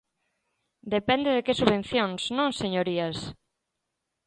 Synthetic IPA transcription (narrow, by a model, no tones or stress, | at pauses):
d̪epɛnd̪eðekesuβẽn̟θjoŋsnõŋseɲoɾias